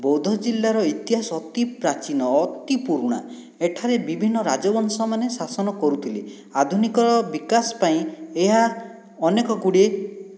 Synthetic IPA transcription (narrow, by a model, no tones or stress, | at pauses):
bɔwd̪ʱɔd͡ʒilːaɾɔit̪iɦasɔt̪ipɾat͡ʃinɔːt̪ipuɾuɽ̃a̰ | eʈʰaɾebibʱinːɔɾa̰d͡ʒɔbɔnsɔmanesasɔnɔkɔɾut̪ʰile | ad̪ʱunikɔɾɔbikasɔ̥paĩeɦa | ɔnekɔɡuɽe